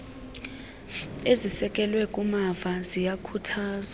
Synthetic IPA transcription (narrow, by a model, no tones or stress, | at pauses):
ezisɛkʼɛlwɛkʼumavazijakʰutʰaːza